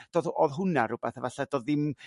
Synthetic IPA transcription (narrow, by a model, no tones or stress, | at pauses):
d̥oːðɔðɦʊnaɾʊb̥ɛθavaɬadoːðːɪm